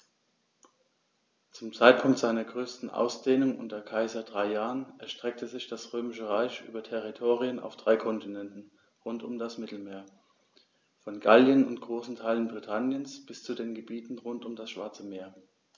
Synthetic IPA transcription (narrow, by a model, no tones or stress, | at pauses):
t͡sʊmt͡saɪt̚pʰʊŋktz̥aɪnɐɡʁøːstn̩ʔa̰ʊsd̥eːnʊŋʔʊ̰ntɐkʰaɪzɐdʁaɪjaːʁənʔɛɐʃtʁ̥ɛk̚tʰəzɪçd̥asʁøːmɪʃəʁaɪçʔy̰ːbɐtʰɛʁitʰoːʁiəna̰ʊfd̥ʁaɪkʰɔntʰinɛntn̩ | ʁʊntʊmdasmɪtl̩meːɐ | fɔnɡaljənʊntɡ̥ʁoːsn̩tʰaɪlənbʁitʰanjənsb̥ɪst͡sudeːnɡəbiːtn̩ʁʊntʊmdasʃv̥aɐt͡səmeːɐ